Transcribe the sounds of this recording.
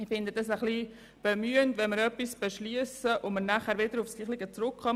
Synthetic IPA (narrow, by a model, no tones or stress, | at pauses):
ifɪnd̪ədɑs̬əχli | b̥emyːəntʋɛnməɾœpːisb̥eʃliəsəʔʊməɾnæχæːɾʋɪd̪əɾʊfsliːχlɪɡət͡sɾʊkχɑm